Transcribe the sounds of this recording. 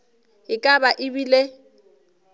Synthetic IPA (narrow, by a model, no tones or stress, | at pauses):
ɪkʼabaʔɪbile